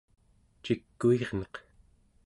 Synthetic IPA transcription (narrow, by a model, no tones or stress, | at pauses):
t͡ʃikːueʁnʌq